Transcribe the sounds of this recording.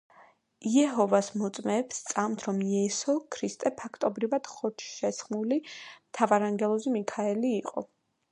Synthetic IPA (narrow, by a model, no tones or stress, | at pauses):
iɛɦɔvasmɔt̪sʼmɛːpst̪sʼamt̪ʰɾɔmiɛsɔkʰɾist̪ʼɛpʰakʰt̪ʼɔbɾivad̪̥χɔt̪ʰʃɛsχnulimt̪ʰavaɾaŋɡɛlˠɔzimikʰaɛliːqʼɔ̰